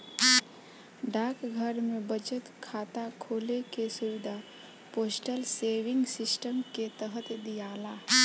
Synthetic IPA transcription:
ɖaːkɡʱəɾmebət͡ʃət̪kʰaːt̪akʰoːlekesuʋɪd̪ʱa | poːsʈəlseːʋɪ̃ŋɡsɪsʈəmket̪əɦət̪d̪ijaːla

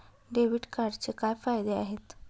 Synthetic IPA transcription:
ɖeʋiʈkaɾɖt͡sekajfajd̪eaɦet̪

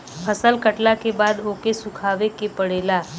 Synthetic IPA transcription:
pʰəsəlkəʈlakebaːd̪oːkesʊkʰaːʋekepəɽeːlaː

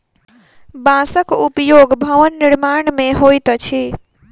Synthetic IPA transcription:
bãːsəkʊpjoːɡbʱɐʋənːɪɾmaːɳ̃mẽɦoːit̪ət͡ʃʰi

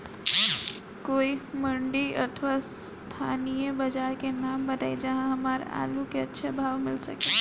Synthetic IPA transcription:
koiməɳɖiʔə̰t̪ʰʋas | t̪ʰanijəbəd͡ʒaɾkenambət̪ajd͡ʒəɦãɦəmaɾa̰lukeətːʃʰebʱaʋmɪlsəke

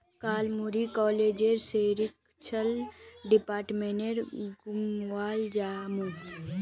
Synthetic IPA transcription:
kaːlmuɾikɔːleːd͡ʒeɾseːɾɪk̚ | t͡ʃʰəlɖɪpaːɾʈmeneɾɡʊmwaːld͡ʒaːmu

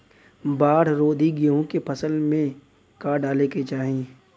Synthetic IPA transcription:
baːɽ̤ɾoːd̪ʱiɡeɦõkepʰɐsəlmẽ | kaːɖaːleket͡ʃaːɦie

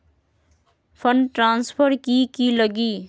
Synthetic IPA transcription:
pʰʌnʈɾanspʰʌɾkikilʌɡi

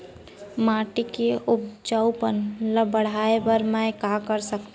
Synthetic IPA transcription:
maːʈikeʊbd͡ʒaʊpənləbəɽ̤aːebəɾmãjkakəɾsəkt̪

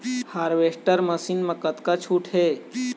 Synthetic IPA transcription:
haːɾʋesʈəɾməsinmɐ̃kət̪kat͡ʃʰuːʈʰɦe

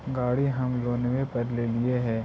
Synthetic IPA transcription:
ɡaːɽiɦɐmloːneʋẽpɐɾlelieɦɛ̃ː

